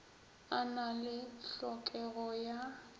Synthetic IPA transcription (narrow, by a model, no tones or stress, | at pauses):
analɪɬɔkʼɛɣɔja